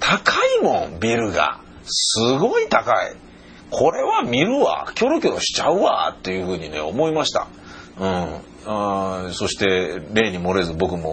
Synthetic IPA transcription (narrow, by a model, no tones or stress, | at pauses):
t̪ʰakʰaimõ̞mbʲiɾɯ̟ɡa̰ | sɨɡo̞it̪akaḭ | kʰo̞ɾe̞βamʲiɾɯ̟βa̰kʲo̞ɾokʲooɕi̥t͡ɕaɯ̟βa̰t̪ːe̞jɯ̟ɸɯ̟ːɲ̟ine̞̰o̞̰mo̞imaɕi̥t̪a̰ | ɯ̟̃ɴ | so̞ɕi̥t̪e̞ɾe̞ːɲ̟imo̞ɾe̞zɨbo̞kɯ̟mo̞